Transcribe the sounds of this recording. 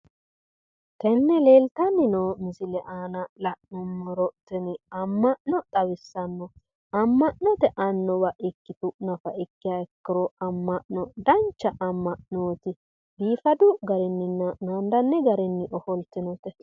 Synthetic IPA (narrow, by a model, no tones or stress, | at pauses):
t̪ɛnːɛleːlt̪ɐnːɪnoːmɪsɪlɛʔaːnɐlɐʔnɔmːɔɾɔʔt̪ːɪnɪɐmːɐʔnɔt̪ʼɐwɪsːɐnːɔ | ɐmːɐʔnɔt̪ɛʔɐnːɔbɐʔɪkːɪt̪ʊʔnɐfɐʔɪkːɪjaɛkːɪɾɔɐmːɐʔnɔd̪ɐnt͡ʃːɐʔɐmːɐʔnoːt̪ɪ | biːfɐd̪ʊɡɐɾɛnːɪnːɐnand̪ɐnːɛɡɐɾɛnːɪʔɔhɔlt̪ːɪnɔt̪ɛ